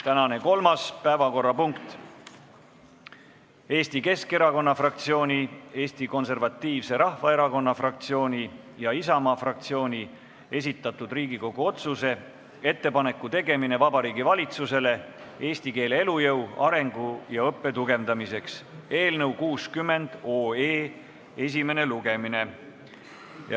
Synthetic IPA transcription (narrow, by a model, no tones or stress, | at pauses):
t̪ænɑne̞ko̞lmɑspæevɑko̞rːɑpuŋkt̪ˑ | e̞ːst̪ike̞ske̞ɾɑko̞nːɑfrɑk̚t̪sio̞ːnʲie̞ːst̪iko̞nse̞rvɑt̪ːiːvse̞ɾɑhvɑe̞ɾɑko̞nːɑfrɑk̚t̪sio̞ːnʲi | jɑisɑmɑːfrɑk̚t̪sio̞ːnʲi | e̞s̬ʲit̪ːˑɑt̪ud̪̥riːɡiko̞ɡ̥uo̞t̪suse̞ | e̞t̪ːe̞pɑne̞kːˑut̪e̞ɡe̞mine̞vɑbɑɾiːɡivɑlʲit̪suse̞le̞ | e̞ːsʲt̪ike̞ːle̞e̞lujɤwɑɾe̞ŋɡ̥ujɑɤpːe̞t̪uɡ̥e̞vd̪̥ɑmise̞kse̞ːlnɤuwkuːskymːe̞nd̪̥oːeː | e̞s̬ʲime̞ne̞luɡe̞mine̞ | j